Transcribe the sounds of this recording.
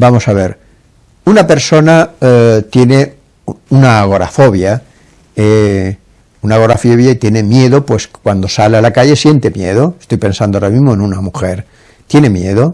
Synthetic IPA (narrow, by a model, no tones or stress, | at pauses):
bamo̞saβeɾ | unape̞ɾso̞nat̪je̞ne | unaɣ̞o̞ɾa̰foβja | e | unaɣ̞o̞ɾafoβjait̪je̞ne̞mjeðopwe̞skwand̪o̞salalakaʝesje̞nt̪emjeð̞oest̪o̞jpe̞nsand̪oaɾamizmoẽnunamuxeɾ | t̪je̞ne̞mjeðo